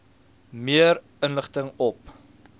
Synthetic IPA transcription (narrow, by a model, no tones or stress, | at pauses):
miəɾ | ənləχtəŋɔp̚